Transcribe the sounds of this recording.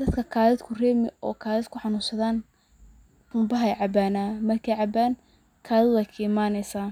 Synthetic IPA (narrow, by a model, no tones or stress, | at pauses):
d̪ɐd̪kʰɐkʰaːðɪd̪kʰʊrɛːmɪ̰ɔ̰ːkʰaːðɪd̪kʰʊħɑnuːsɐðaːn | tʊmbɐɦɐjʕɑbaːnaːmɐrkʰɛjʕɑbaːn | kʰaːðɪwɛjkʰɐɪmaːnɛjsaː